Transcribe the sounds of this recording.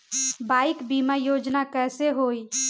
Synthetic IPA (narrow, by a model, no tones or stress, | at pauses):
baːɪkbiːmajoːd͡ʒnakɛːseɦoːi